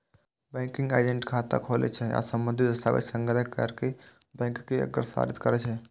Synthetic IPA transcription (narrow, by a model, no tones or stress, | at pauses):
bɛ̃ːŋkɪ̃ŋɡaːɪd͡ʒẽɳʈkʰaːt̪a̰kʰoːlḛt͡ʃʰɛja̰sə̃mbə̃nd̪ʱid̪əst̪ʰa̰ːʋɪ̰sə̃ŋɡɾəɦkə̰ɾke | bɛ̃ːŋkːeə̰ɡəɾsa̰ːɾɪt̪kəɾet͡ʃʰɛ